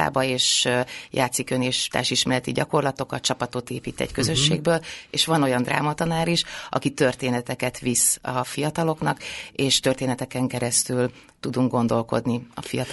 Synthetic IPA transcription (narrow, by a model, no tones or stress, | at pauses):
a̰ːbɒeːʃjʔa̰ːt̪sikøneːʃt̪a̰ːʃiʃmɛlɛt̪iɟɒko̞rlɒt̪o̞kɒt̪t͡ʃɒpɒt̪ot̪eːpiːt̪ɛ̰ɟkøzø̞ʃːḛːɡ̚bøːleːʃʋɒno̞jɒnd̪ra̰ːmɒt̪ɒnaːɾiʃʔɒ̰kit̪ø̞rt̪eːnɛt̪ɛkɛt̪ʋisɒfijɒt̪ɒlo̞knɒkeːʃt̪ørt̪eːnɛt̪ɛkɛŋkɛɾɛst̪yl | t̪ud̪uŋɡɡo̞nd̪o̞lko̞̰d̪niɒ̰fijɒt̪